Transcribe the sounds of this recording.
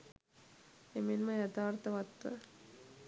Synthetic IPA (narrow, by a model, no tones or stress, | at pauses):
eminmɐjɐt̪ʰaːɾt̪ɐʋɐt̪ːɐ̰